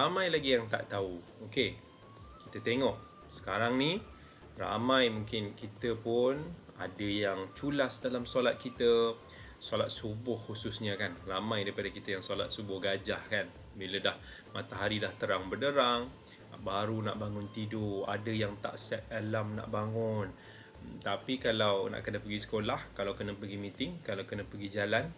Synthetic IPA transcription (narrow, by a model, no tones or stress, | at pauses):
ramãjlaɡijaŋt̪a̰ʔt̪auoke | ki̥t̪ət̪eŋɔʔ | sə̥kaɾaŋni | ra̰mãjmuŋkɪnkit̪əpʊn | a̰dəjaŋt͡ʃulasdalamsolat̪̚kit̪ə | solat̪̚subʊhhususɲəkanramãjdaipadakit̪əjaŋsola̰t̪̚subʊhɡad͡ʒahkan | bilədah | mat̪aɦaɾidaht̪əɾaŋbərdəɾaŋ | baɾuna̰ʔbaŋʊnt̪idua̰dəjaŋt̪a̰ʔsɛt̪̚alamna̰ʔbaŋʊn | t̪apikalawna̰ʔkənəpəɡisə̥kolahkalawkənəpəɡimĩt̪ɪŋkalawkənəpəɡid͡ʒalan